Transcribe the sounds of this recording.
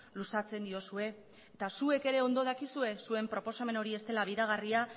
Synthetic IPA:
lusat͡se̞nd̪io̞sue̞ː | t̪asue̞ke̞ɾe̞o̞nd̪o̞ð̞akisue̞sue̞mpɾo̞po̞same̞no̞ɾie̞st̪e̞laβ̞iðaɣ̞aria

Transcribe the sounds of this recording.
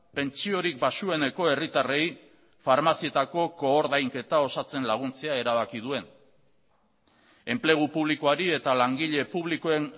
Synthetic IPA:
pe̞nt͡ʃio̞ɾik̚basue̞ne̞ko̞e̞rit̪are̞j | faɾmasie̞t̪ako̞ko̞ːɾðajŋke̞t̪ao̞sat͡se̞nlaɣ̞unt͡se̞ae̞ɾaβakið̞ue̞n | e̞mple̞ɣ̞upuβ̞likoaɾie̞t̪alaŋɡiʎe̞puβlikoen

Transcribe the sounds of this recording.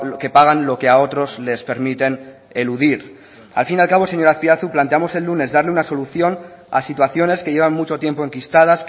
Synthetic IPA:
ke̞paɣ̞anlo̞ke̞ao̞t̪ɾo̞zle̞spe̞ɾmit̪e̞n | e̞luðiɾ | a̰lfinalkaβo̞se̞ɲo̞ɾaθpiaθuplant̪eamo̞se̞lːune̞zðaɾleunaso̞luθjo̞n | a̰sit̪̬waθjo̞ne̞ske̞ʝe̞βanmut͡ʃo̞t̪je̞mpo̞e̞ŋkist̪að̞as

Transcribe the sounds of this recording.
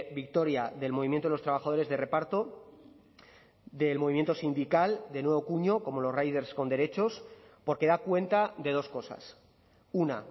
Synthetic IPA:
bik̚t̪o̞ɾjaðe̞lmo̞βimjent̪oeost̪ɾaβ̞axað̞o̞ɾe̞zðe̞re̞paɾt̪o̞ | ðe̞lmo̞βimje̞nt̪o̞sind̪ikald̪e̞nwe̞βokuɲo̞ko̞mo̞lo̞srajðe̞ɾsko̞nd̪e̞ɾe̞t͡ʃo̞spoɾke̞ðakwe̞nt̪aðe̞ð̞osko̞sa̰s | una̰

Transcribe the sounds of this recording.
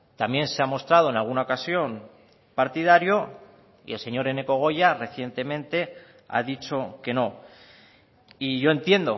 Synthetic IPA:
t̪amje̞nseamo̞st̪ɾað̞o̞e̞nalɣ̞unaokasjo̞m | paɾt̪ið̞aɾjo | ḭe̞lse̞ɲo̞ɾe̞ne̞ko̞ɣ̞o̞jare̞θje̞nt̪e̞mẽ̞nt̪e̞ | a̰ðit͡ʃo̞ke̞no̞ | iʝo̞e̞nt̪je̞nd̪o̞

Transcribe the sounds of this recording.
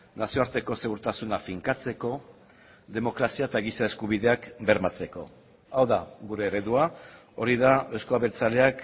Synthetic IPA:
nasio̞aɾt̪e̞ko̞se̞ɣuɾt̪asunafiŋkat͡se̞ko̞ | ðe̞mo̞kɾasiaet̪aɣisae̞skuβ̞iðe̞akbe̞ɾmat͡se̞ko̞ | awðaɣuɾe̞ːɾeðua | o̞ɾiðaeskoaβeɾt͡sale̞ak

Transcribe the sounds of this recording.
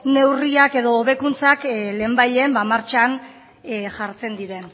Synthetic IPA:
ne̞wriake̞ðo̞ːβe̞kunt͡sakle̞ːmbajʎe̞ːmbamaɾt͡ʃan | ʝaɾt͡se̞nd̪iɾe̞n

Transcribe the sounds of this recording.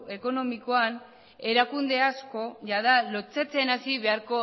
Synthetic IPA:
e̞ko̞no̞miko̞an | e̞ɾakund̪e̞asko̞ʝaðalot͡set͡se̞nasiβe̞aɾko̞

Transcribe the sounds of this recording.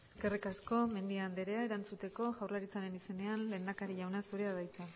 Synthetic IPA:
e̞ske̞rikasko̞me̞nd̪iand̪eɾe̞ae̞ɾant͡sut̪e̞ko̞ʝawrlaɾit͡saɾe̞nise̞ne̞anle̞ːnd̪akaɾiʝawnasuɾeaðajt͡s̪e

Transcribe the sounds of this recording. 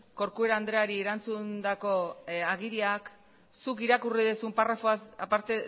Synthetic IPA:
ko̞ɾkue̞ɾaːnd̪ɾeaɾieɾant͡sund̪ako̞aɣiɾiak | sukiɾakuriðesumparafoasapaɾt̪e

